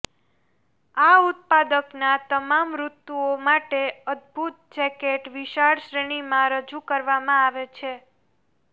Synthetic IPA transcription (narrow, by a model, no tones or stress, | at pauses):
aut̪̚pad̪əknat̪əmamɾut̪ːuomaʈeəd̪̚bʱut̪̚d͡ʒɛkeʈʋiʃaɭʃɾeɽ̃imãɾəd͡ʒukəɾʋamãaʋet͡ʃʰe